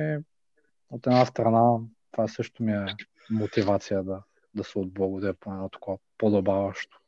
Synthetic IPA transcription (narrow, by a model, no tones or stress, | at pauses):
ɛ | ot̪ɛd̪nast̪ɾɐnat̪ovasɤʃt̪omiɛ | mot̪ivat̪sijəd̪ɐ | d̪ɐsɛod̪̚blˠɔɡod̪iɾɛponɛnɔt̪ɐ̥kovapod̪obavəʃt̪o̥